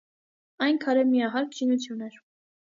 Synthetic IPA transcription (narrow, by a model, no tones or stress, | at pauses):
ɑjnkʰɑɾɛmiɑɦɑɾkʰʃinut͡sʰjunɛɾ